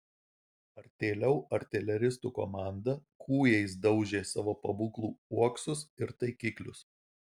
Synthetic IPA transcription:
ɐɾʲt̪ʲeːlʲɛʊɐɾʲt̪ʲɛlʲɛɾʲɪst̪uko̰mɑˑnd̪ɐkʰuːjɛɪs̬d̪ɒʊʒʲeːsɑːʋoːpɐbuːklˠuːuɔksʊsɪɾt̪ɐɪkʲiːklʲʊs

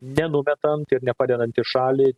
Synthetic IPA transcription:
nʲɛnʊmʲɛt̪ɐnt̪ɪɾnʲɛpɑːd̪ʲɛnɐnʲt̪ʲɪʃɑːlʲɪ

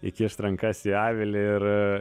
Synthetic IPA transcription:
ɪk̪ʲiʃt̪ɾɐŋkɐsʲɪɑːʋʲɪlʲɪɪɾ

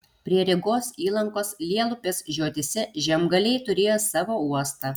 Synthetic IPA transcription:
pʲɾʲiɛɾʲɪɡoːsiːlˠɐŋkoːslʲiɛlˠʊpʲeːsʒʲuɔt̪ʲɪsʲɛʒʲɛmɡɐlʲɛɪt̪ʊɾʲeːjoːsɑːʋoːuɔst̪ɑ

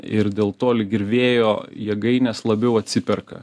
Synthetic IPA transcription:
ɪɾd̪ʲeːlˠt̪oːlʲɪɡʲɪɾʲʋʲeːjoːjɛɡɐɪnʲɛslˠɐbʲɛʊɐt̪ʲsʲɪpʲɛrkɐ̰

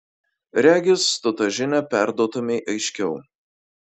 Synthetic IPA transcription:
ɾʲæːɡʲɪst̪ʊt̪ɐʒʲɪnʲɛpʲæˑɾd̪uɔt̪ʊmʲɛɪʔɐɪʃʲkʲɛʊ

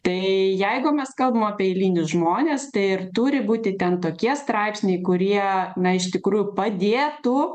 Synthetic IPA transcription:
t̪ɐɪjɛɪɡʊmʲɛskɐlˠbɐmɑːpʲiɛɛɪlʲiːnʲʊsʒmoːnʲeːst̪ɐɪɪrt̪uːɾʲɪbuːt̪ʲɪt̪ʲɛnt̪oːkʲiɛst̪ɾɑɪpʲsʲnʲɛɪkʊɾʲiɛnɐɪʃt̪ʲɪkɾuːjʊpɐd̪ʲeːt̪u

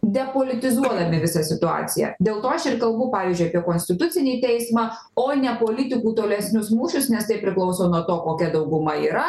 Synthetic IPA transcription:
d̪ʲɛpoːlʲɪt̪ʲɪzuɔd̪ɐmʲɪʋʲɪsɐsʲɪt̪ʊɑ̰ːtt͡s̪ʲɪjɛ̰d̪ʲeːlˠt̪oːɐʃɪrkɐlˠbʊpɑːʋʲiːzʲd͡ʒʲʊɪɐpʲiɛkoːnʲsʲt̪ʲɪt̪ʊt͡s̪ʲɪnʲeːt̪ʲɛɪsmɑː | oːnʲɛpoːlʲɪt̪ʲɪkuːt̪oːlʲɛsʲnʲʊsmuːʃʲʊsnʲɛst̪ɐɪpʲɾʲɪklˠɐʊsoːnuɔt̪oːkoːkʲɛd̪ɐʊɡʊmɐiːɾɐ

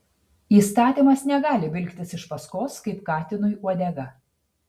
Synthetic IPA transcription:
iːst̪ɑːt̪ʲimɐsnʲɛɡɑːlʲɪbʲɪlʲkt̪ʲɪsɪʃpɐskoːskɐɪpkɑːt̪ʲɪnʊjuɔd̪ʲɛɡɐ

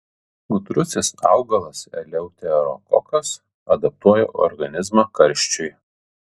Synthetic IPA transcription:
ɡʊt̪ɾʊsʲɪsɑˑʊɡɐlˠɐsɛ̰lʲɛʊt̪ʲɛɾɔ̰kɔkɐs | ɐd̪ɐp̚t̪uɔjɛ̰ʔɔ̰ɾɡɐnʲɪzmɑkɐɾʲʃʲt͡ʃʲʊɪ

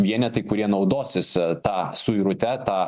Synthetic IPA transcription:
ʋʲiɛnʲɛt̪ɐɪkʊɾʲiɛnɐʊd̪oːsʲɪst̪ɑːsʊiɾʊt̪ʲɛt̪ɑː

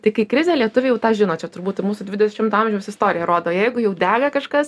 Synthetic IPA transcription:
t̪ɐɪkɐɪkɾʲɪzʲeːlʲiɛt̪ʊʋʲeːjɛʊt̪ɑːʒʲɪnoːt͡ʃʲɛt̪ʊrbuːt̪muːsʊdʲʋʲɪdʲɛɛʃɪmt̪ʊɑːmʲʒʲɛʊsɪst̪oːɾʲɪjɛɾoːd̪oːjɛɪɡʊjɛʊd̪ʲæːɡɐkɐʃkɐs

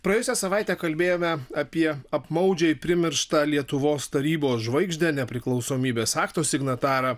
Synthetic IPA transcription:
pɾɐjʊsʲɛsɐʋɐˑɪt̪ʲɛːkɐlʲbʲeːjoːmʲɛɐpʲiɛɐpmɐʊd͡ʒʲɛipʲɾʲɪmʲɪɾʃt̪ɑːlʲiɛt̪ʊʋoːst̪ɐɾʲiːboːsʒʋɐɪɡʒʲd̪ʲɛnʲɛpʲɾʲɪklˠɒʊsoːmʲiːbʲeːsɑːkt̪oːsʲɪɡnɐt̪ɑːɾɑː

